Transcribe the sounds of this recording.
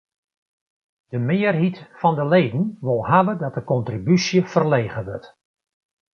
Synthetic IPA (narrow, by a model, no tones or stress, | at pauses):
d̥əmɪːərɦitfɔndəleːdn̩ʋolˠhaʋədɔt̚dəkɔntribysjəfərleːɣəʋɵrt